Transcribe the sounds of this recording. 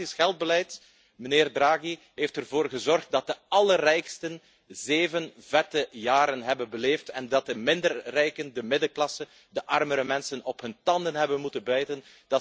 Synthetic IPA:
isxɛlˠd̚bəlɛjt | məneːrdraːɣi | ɦeːftərvoːrɣəzɔrxt̚dɑt̚dəɑlərɛjkstən | zeːvənvɛtəjaːɾənɦɛbənbəleːftɛndɑt̚dəmɪndərːɛjkəndəmɪdəklɑsə | dəʔɑrməɾəmɛnsənɔpɦɵntɑndənɦɛbənmutənbœɥtən | d̥ɑ

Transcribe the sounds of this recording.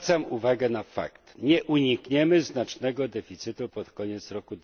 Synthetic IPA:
t̪samuvaɡɛnafa̰kt̪ɲɛʔuɲikɲɛmɘznat͡ʂnɛɡɔd̪ɛfʲit̪sɘt̪upɔt̪kɔɲɛt̪sɾɔkud̪

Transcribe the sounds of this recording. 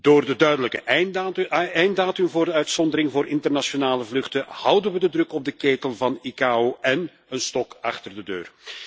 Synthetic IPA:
d̥oːrdədœɥdələkəʔɛ | ɛjndaːtʏmvoːrdəœɥtsɔndəɾɪŋvoːrʔɪntərnasonaːləvlɵxtəhʌwdənʋədədrɵkɔb̚dəkeːtəlˠvɑnikaːoʔɛn | ənstɔkɑxtərdədø̰ːr

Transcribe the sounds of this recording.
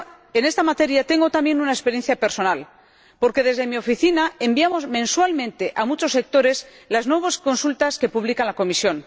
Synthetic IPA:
e̞ne̞st̪amat̪e̞ɾjat̪e̞ŋɡo̞t̪amjẽ̞nunaespeɾje̞nθjapeɾso̞nal | po̞ɾke̞ðezðe̞mio̞fiθinae̞mbiamo̞zmẽ̞nswalmẽnt̪e̞ʔamut͡ʃo̞se̞k̚t̪o̞ɾe̞s | laznwe̞β̞osko̞nsult̪aske̞puβlikalako̞misjo̞n

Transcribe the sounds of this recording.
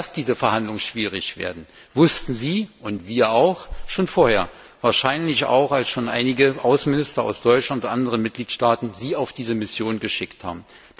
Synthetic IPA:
asd̥iːzəfɛɐhandlʊŋənʃv̥iːʁ̞ɪçv̥ḛːɐdn̩ | vʊstn̩ziːʔʊntv̥iːɐaʊxʃoːnfoːɐheːɐ | vaːɐʃaɪnlɪça̰ʊxalsʃoːnʔa̰ɪnɪɡəʔaʊsn̩mɪnɪstɐa̰ʊsd̥ɔʏt͡ʃlantʔandəʁənmɪt̚ɡ̥liːtʃtaːtn̩ziːaʊfd̥iːzəmɪsjoːnnɡəʃɪktha̰ːbm̩

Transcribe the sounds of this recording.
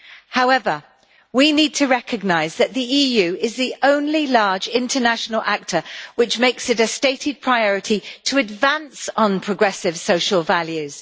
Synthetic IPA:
haʊɛvə | winiːd̚tʰəɹɛkʰəɡ̚naɪzðəʔðiiːjʉːɪzðiʔə̃ʊ̃nlilɑːd͡ʒɪ̃ntʰənaʃənəlʔak̚tʰəwɪt͡ʃmeɪksɪtəsteɪtʰɪd̚pʰɹ̥aɪɔɹɪtʰitʰəədvãnsn̩pʰɹ̥əɡɹɛsɪv̥səʊʃəlˠvaljʉz̥

